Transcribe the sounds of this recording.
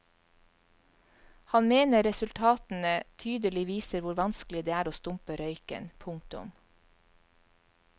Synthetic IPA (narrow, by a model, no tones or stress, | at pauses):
hɑnmeːnəɾɛsʉlt̪ʰɑːt̪n̩ət̪ʰyːd̪əlɪʋiːsəɾʋʊɾʋɑnsklɪd̪eːæːɾoːst̪ʊmpəɾœʏkə̰npʰʊŋk̚t̪ʊ̰m